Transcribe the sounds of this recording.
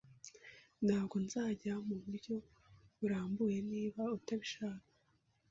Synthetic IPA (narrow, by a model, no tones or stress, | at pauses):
nhaːbɡo̞nzaːɟamuβuɾɟo̞ | βuɾaːmbuje̞niːβautaβiʃaːkḁ